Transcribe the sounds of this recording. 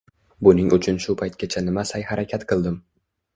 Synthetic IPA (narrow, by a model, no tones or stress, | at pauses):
bʊnɪŋʔʊt͡ʃʰʊnʃʊpʰajt̪̚kʲat͡ʃʰanɪmasajhaɾakʲʰat̪qʰɨlˠd̪ɪm